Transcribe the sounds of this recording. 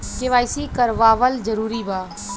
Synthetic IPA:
keʋaːjsikəɾʋaːʋəld͡ʒəɾuːɾibaː

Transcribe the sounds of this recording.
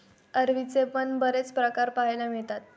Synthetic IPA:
əɾʋit͡sepəɳbəɾet͡spɾəkaɾpaɦjlameɭt̪at̪

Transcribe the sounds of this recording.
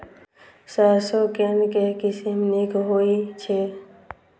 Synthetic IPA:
saːsokenkekɪsimnikɦoit͡ʃʰe

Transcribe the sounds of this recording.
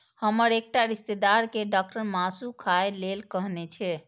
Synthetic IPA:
həməɾek̚ʈaɾist̪ed̪aɾkeɖak̚ʈəɾmasukʰaelelkəɦnɛt͡ʃʰɛ

